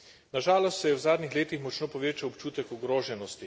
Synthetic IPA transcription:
naʒaːlɔst̪sɛjɛwzaːd̪nixleːt̪ixmɔt͡ʃnoːpɔʋeːt͡ʃawɔpt͡ʃuːt̪ɛkɔɡɾoːʒɛnɔst̪i

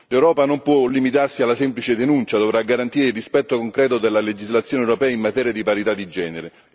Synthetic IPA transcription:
lewɾɔːpanompwɔlimit̪arsialːasɛmplit͡ʃɪd̪enunt͡ʃad̪ovɾaɡːaɾant̪iːɾeilːispɛt̪ːokoŋkɾɛːt̪ʊd̪elːaled͡ʒizlat̪sːjoːnewɾopɛːaimmat̪ɛːɾjad̪ipaɾit̪ad̪id͡ʒɛːneɾe

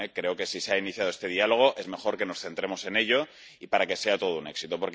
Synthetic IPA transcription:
ekɾe̞oke̞siseainiθjaðe̞st̪e̞ðialo̞ɣ̞o̞ʔe̞zme̞xo̞ɾke̞no̞sθe̞nt̪ɾe̞mo̞se̞ne̞ʎo̞ | ipaɾake̞se̞at̪o̞ð̞oune̞̰ksit̪opo̞ɾk

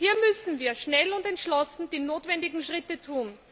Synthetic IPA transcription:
hiːɐmʏsn̩viːɐʃnɛlʊntɛntʃlɔsn̩d̥iːnoːtvɛndɪɡŋ̩ʃʁɪtətʰuːn

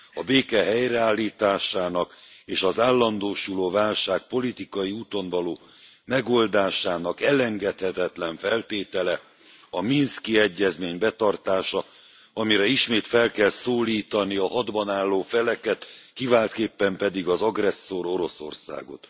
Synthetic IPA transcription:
ɒbeːkɛɦɛjrɛaːlːiːt̪aːʃaːnɒkeːʃɒzaːlːɒnd̪oːʃuloːvaːlʃaːk̚po̞lit̪ikɒjiuːt̪o̞nvɒloː | mɛɡo̞ld̪aːʃaːnɒkɛlɛŋɡɛt̪hɛt̪ɛt̪lɛɱfɛlt̪eːt̪ɛlɛ | ɒminskiɛɟːɛzmeːɲbɛt̪ɒrt̪aːʃɒ | ɒmiɾɛiʃmeːt̪fɛlkɛlsoːliːt̪ɒniɒɦɒd̪bɒnaːlːoːfɛlɛkɛt̪kivaːlt̪keːpːɛmpɛd̪iɡɒzɒɡrɛsːo̞ɾo̞ɾo̞so̞̰rsa̰ːɡo̞̰t̪

